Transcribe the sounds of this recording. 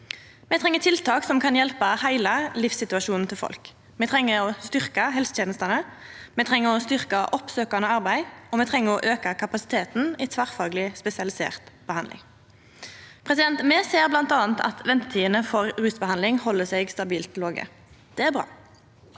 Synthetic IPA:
mɛt̪ʰʁɛŋːət̪ʰɪlt̪ʰɑːksɔmkʰɑnjɛlpəhæɪlɑlɪfsɪt̪ʉɑʃuːn̩t̪ʰɪlfɔ̰lk | mɛt̪ʰʁɛŋːəʁɔst̪ʏʁkəɦɛlst̪jeːnəst̪ɑnəmɛt̪ʰʁɛŋːəʁɔst̪ʏʁkɑʔɔpsøːkɑnəɑʁbæɪɔmɛt̪ʰʁɛŋːəʁɔʔøːkɑkʰɑpɑsɪ̥t̪ʰeːt̪n̩ɪt̪ʰʋæʁfɑːɡlɪspɛsɪɑlɪsḛːʁt̪b̥əhɑnd̪ɪ̰ŋ | pʰʁɛsɪd̪ɛnt̪meːseːʁblɑnt̪ɑːnt̪ɑ̰t̪ʋɛnt̪ət̪ʰiːənəfɔʁʁʉːsbəhɑnlɪŋhɔlːəsɛɡst̪ɑbiːlt̪ʰloːɡə̰ | d̪̥ɛːæʁbʁɑ̰ː

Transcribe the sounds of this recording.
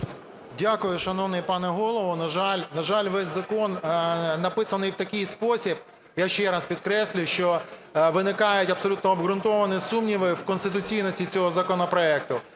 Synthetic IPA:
dʲakʊjʊʃɐnɔwnɪjpɑnɛɦɔlˠɔʋɔnɐʒɑlʲnɐʒɑlʲʋɛsʲzɐkɔnnɐpɪsɐnɪjwt̪ɐkɪjspɔsʲib | jaʃt͡ʃɛɾɑspʲid̪kɾɛsʲlʲʊʃt͡ʃɔʋɪnɪkɑjʊtʲɐbsɔlʲut̪nɔːbɦɾʊnt̪ɔʋɐnɪsumnʲiʋɪwkɔnst̪ɪt̪ʊt͡sʲijnɔsʲtʲit͡sʲɔɦɔzɐkɔnɔpɾɔɛk̚t̪ʊ

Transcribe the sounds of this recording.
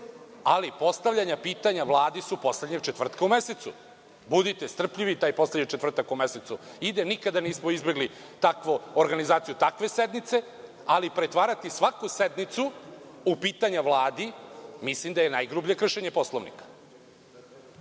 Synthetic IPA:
alipo̞st̪avʎaɲapiːt̪aɲaʋlˠaːd̪isupo̞sle̞d̪ɲeɡ̚t͡ʃet̪ʋr̩t̪kaumeset̪sṵ | bud̪it̪est̪r̩pʎiʋit̪aːjpo̞sledɲet͡ʃe̞t̪vr̩t̪akume̞set̪su | id̪enikad̪aniːsmoizbeɡli | t̪akʋooɾɡanizaːt̪sijut̪akʋe̞sed̪nit̪se̞ | alipɾet̪ʋaːɾat̪isʋakused̪nit̪su | upiːt̪aɲaʋlˠaːd̪imislimd̪ajenajɡɾubʎijekr̩ʃe̞ɲe̞po̞slˠoʋnḭkḁ

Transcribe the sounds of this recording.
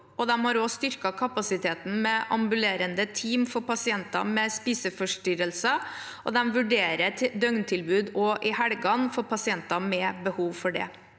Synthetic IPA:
ʔɔd̪ɛmhɑɾoːst̪ʏɾkɑkʰɑpɑsɪt̪ʰeːt̪n̩mɛʔɑ̰mbʉleːɾənd̪ət̪ʰiːmfɔɾpʰɑsɪɛnt̪ɑ̰mɛspiːsəfɔʂʈʏɾəlsə | ʔɔd̪ɛmʋʉɖeːɾəd̪œŋnt̪ʰɪlbʉːd̪ɔʔɪhæɽɡɑnfɔɾpʰɑsɪɛnt̪ɑmɛbəhuːʋfɔɖɛ̰

